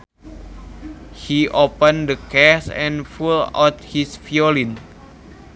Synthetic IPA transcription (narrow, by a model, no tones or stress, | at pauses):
hiʔopə̃ndəkɛsɛ̃nfula̰t̪̚hisfjolin